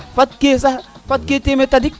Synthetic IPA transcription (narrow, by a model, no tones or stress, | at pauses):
fɐt̪̚kesafɐt̪̚ket̪emet̪ɐdik̚